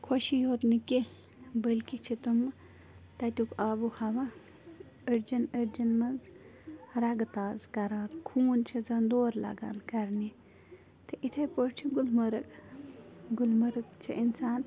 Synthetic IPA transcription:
kʰoʃijoːt̪niki | bəlʲkit͡ʃʰit̪um | t̪ɐt̪ʲukaːbuhɐʋa | əɾd͡ʒɐnəɾd͡ʒɐnmɐz | ɾɐɡt̪aːzkɐɾaːt̪kʰuːnt͡ʃʰizɐnd̪oːɾlɐ̰ɡa̰ːlkɐɾni | t̪ɨʔit̪ʰɐjpoɾʈʰiɡulmɐɾɨk | ɡulmɐɾɨkt͡ʃʰḭʔinsaːn

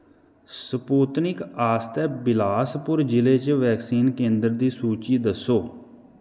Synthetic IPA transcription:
səpoːt̪nɪkaːst̪ɛːbɪlaːspʊɾd͡ʒɪleːt͡ʃʋɛːksiːnkẽːnd̪əɾd̪iːsuːt͡ʃiːd̪əsːoː

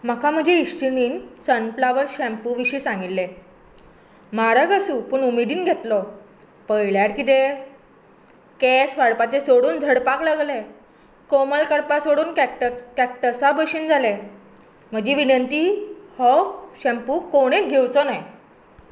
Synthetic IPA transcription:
m̤akam̤əd͡ʑeiɕt͡ɕiniːnsənflaʋəɾɕɛ̃mpuʋiɕiːsãŋɡilːe | maɾəɡəsuːpuɳumid̪iːnɡʱet̪lɔ | pəjɭjaʈkit̪e | kesʋaɽpat͡ɕesoɽuːnd͡zʱəɽpaklaɡle | koməlkəɽpasoɽuːnkʈkɛk̚ʈəsabəɕiːnd͡zʱale | m̤əd͡ʑiʋinənt̪ihɔɕɛ̃mpukoɽ̃eɡʱewt͡sɔnaj

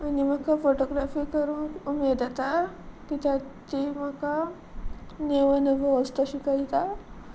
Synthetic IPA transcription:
animakafoʈoɡɾafikəɾũːŋkumed̪at̪a | kit̪at̪imaka | neʋənəʋəʋəst̪əɕikaɦit̪a

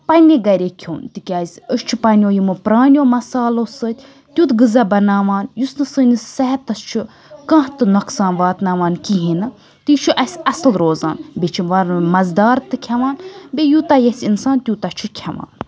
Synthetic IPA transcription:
pɐnʲeɡɐɾʲekʲʰo̰ːnt̪ikʲaːzʲəʃt͡ʃʰupɐnʲoːjimɨpɾaːnʲoːmɐsaːlosɨt̪ʲ | t̪ʲut̪ɡɨzɐbɐnaːʋaːnjusnɨsɨːnisːɐɦɛt̪ɐst͡ʃʰu | kɐ̃t̪ɨnɐksãːnʋaːt̪naːʋaːnkiɦinɨ | t̪it͡ʃʰuʔɐsʲɐslɾoːza̰ːnbʲet͡ʃʰiʋɐɾmɐzd̪aːɾt̪ɨkʲʰɐʋaːnbʲejut̪ajɐsʲinsaːnt̪ʲjut̪ɐt͡ʃʰukʲʰɐʋa̰ːn

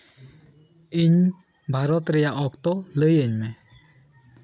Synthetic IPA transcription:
iɲ | bʱaɾɔt̪ɾɛjaʔɔkt̪ɔləjəɲmɛ

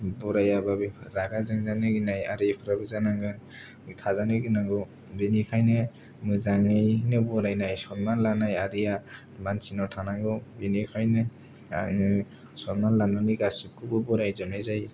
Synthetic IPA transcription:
bɔɾajababiɾaɡazaŋzanɯɡinaja̰ɾipʰɾabizanaŋɡɯn | mɯtʰazanɯɡinaŋɡɔ | binikʰajnɯ | mɯzaŋɯjnɯbɔɾajnajsɔnmanlanajaɾija | mansinɔtʰanaŋɡɔbinikʰajnɯ̰ | nɯ | sɔnmanlanaŋɯɡasip̚kʰubɯbɔɾajzɯmnajzaj

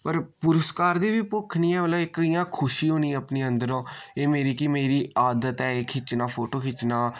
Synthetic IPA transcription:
pəɾpʊɾəskaːɾd̪iːʋiːpokʰniːɛ̃ːʋəlaːɪkɪjãːkʰʊʃiːɦoːniːɛ̃əpniːə̃nd̪əɾõːeːmeːɾiːkɪmeːɾiːaːd̪ət̪ɛːeːkʰɪt͡ʃnaːpʰoːʈoːkʰɪt͡ʃnaː

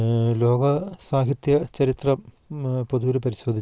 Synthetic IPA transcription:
lo̞ːɡɐsaːɦit̪jɐt͡ɕɐɾit̪rɐ | poðuɾupɐɾiɕo̞ːd̪ʱi

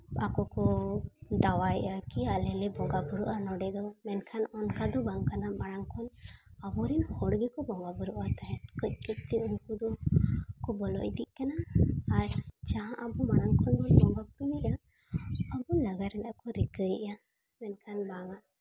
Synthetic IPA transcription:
a̰kɔkɔ | d̪awajʔakialɛlɛbɔɡabuɽuʔanɔɖɛd̪ɔmɛnkʰanɔnkad̪ɔbaŋkanamaɽaŋkʰɔnabɔɾinhɔɽɡɛkɔbɔŋɡabuɾuʔat̪aɦɛnkəc̚ˀkic̚t̪iunkud̪ɔkɔbɔlɔ̰ʔd̪iʔ̚kanaːɾd͡ʒaɦãʔabɔmaɽaŋkʰɔnbɔnbɔŋɡɔk̚piniʔa | ɔbɔnlaɡaɾɛnaʔkɔɾikəjʔa | mɛnkʰanbaŋa

